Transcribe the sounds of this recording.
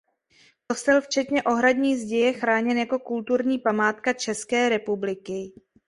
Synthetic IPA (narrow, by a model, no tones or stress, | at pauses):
po̞st̪ɛlft͡ʃɛt̪ɲɛʔo̞ɦɾadɲiːzɟɛjɛxɾaːɲɛnjako̞kult̪uɾɲiːpamaːt̪kat͡ʃɛskɛːɾɛpublɪkɪ